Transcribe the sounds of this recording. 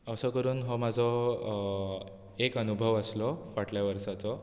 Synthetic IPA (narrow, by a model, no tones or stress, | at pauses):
əsɔkəɾuːnɦɔmad͡zʱɔ | ekənubʱəʋəslɔfaʈʰljaʋəɾʂat͡sɔ